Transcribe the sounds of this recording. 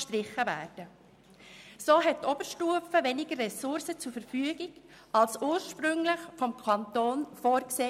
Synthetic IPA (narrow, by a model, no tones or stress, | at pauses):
ʃtɾɪχːəvæ̰ːɾd̥ə | soːɦɛt̚tɔb̥əɾʃtuəfəʋɛnɪɡərɛsʊɾsət͡sʊɾfəɾfyːəɡiɡ | ɑlsuːɾʃpɾʏŋlɪχfɔmkʰɑnt̪oːnfoːɾkseː